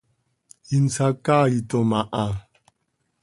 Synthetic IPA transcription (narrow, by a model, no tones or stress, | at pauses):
in̩t͡sakaitɔmaʔa